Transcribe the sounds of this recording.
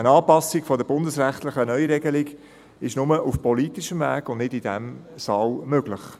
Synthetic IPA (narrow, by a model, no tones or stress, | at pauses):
ənɑːpɑsːɪkfɔdəb̥ʊndəsɾæχt̪ləχənœʏɾɛɡəlɪɡ | ɪʃnʊməʔufpɔliːt̪iʃəmvæ̰ːɡ̥ʊnnɪdid̥ɛmsɑːlmøɡlɪχ